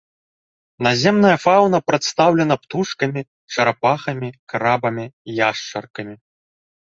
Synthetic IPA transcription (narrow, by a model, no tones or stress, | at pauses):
nazʲɛmnɐjɐfawnɐpɾɐt̪st̪awlʲɛnɐpt̪uʂkɐmʲi | t͡ʂɐɾapaxɐmʲikaɾabɐmʲijaʂt͡ʂɐrkɐmʲi